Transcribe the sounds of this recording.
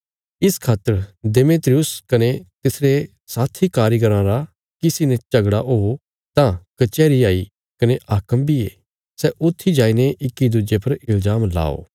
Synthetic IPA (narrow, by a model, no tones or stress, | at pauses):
ɪskʰaːt̪ːəɾd̪emeːt̪ɾijʊskɐnet̪ɪsɾe | saːt̪ʰikaːɾjɡəɾãɾa | kɪsinet͡ʃɐɡɽaʔoː | t̪ãkɐt͡ʃɛːɾiaːi | kɐneʔaːkəmbʱiḛː | sɛʔʊt̪ʰːid͡ʒaːineʔɪkːid̪ud͡ʒepɐɾɪlzaːmla̰ːo̰ː